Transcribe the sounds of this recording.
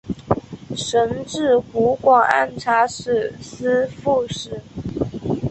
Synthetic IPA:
ʂə˧˥nʈ͡ʂɻ̩˥˩ku˧˥kwɑ˨˩ŋa̰˥˩nʈ͡ʂʰa˥ʂɻ̩˥˩s̩˥fu˥˧ʂɻ̩˥˩

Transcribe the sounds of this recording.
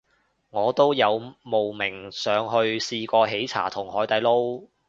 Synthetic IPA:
ŋɔː˨˧t̪o˥wjɐ˨˧wmo˨wmɪ˨˩ŋsœː˨˧ŋɦɵ˧ɥsiː˧kɔː˧ɦe˨˥jt͡sʰa̰ː˨˩t̪ʰʊ˨˩ŋhɔː˨˥jt̪ɐ˨˧jlo˥w

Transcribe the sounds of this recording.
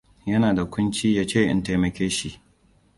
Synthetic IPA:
jɐ˦naː˨da˨kʷʰʊ˦nt͡ʃiː˦jaː˦t͡ʃeː˦˨ʔɪ̰˦nta˦jmɐ˨kʲeː˦ʃi˦˨ʔ

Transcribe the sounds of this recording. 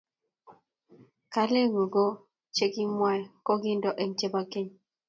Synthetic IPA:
ka˦le˦ŋu˨ɡo˦ | t͡ʃe˦ki˦mwa˦˨lkɔ˦ɡi˦ndɔ˦ʔe˨ŋ˨t͡ʃe˦ba˦ke˦ɲ

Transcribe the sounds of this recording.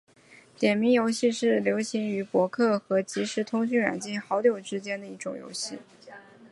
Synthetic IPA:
t̪jɛ˨˩nmi˧˥ŋjo˧˥ʊɕi˥˧ʂɻ̩˥˩ljo˧˥ʊɕi˧˥ŋy˧˥pwɔ˧˥kʰɤ˥˩xɤ˧˥t͡ɕi˧˥ʂɻ̩˧˥t̪ʰʊ˥ŋɕy˥˩nɥa̰˨˩nt͡ɕi˥˩nxɑ˧˥ʊt̪jo˨˩ʊʈ͡ʂɻ̩˥t͡ɕjɛ˥nd̪ə˨i˧˥ʈ͡ʂʊ̰˨˩ŋjo̰˧˥ʊɕi˥˩

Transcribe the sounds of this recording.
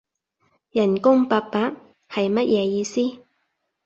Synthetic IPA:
jɐ˨˩nkʊ˥ŋpaː˧k̚paː˨˥t̚ | hɐ˨jmɐ˥t̚jʔɛː˨˧jiː˧siː˥

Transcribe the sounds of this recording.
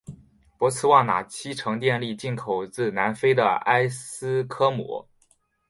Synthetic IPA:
pwɔ˧˥t͡sʰɹ̩˥wɑ˥˩ŋna̰˨˩t͡ɕʰi˥ʈ͡ʂʰɤ˧˥ŋt̪jɛ˥˧nli˥˧t͡ɕi˥˩nkʰo˨˩ʊt͡sɹ̩˥˩na˧˥nfe˥ɪd̪ə˨a˥ɪsɹ̩˥kʰɤ˥mɔ̰˧˥

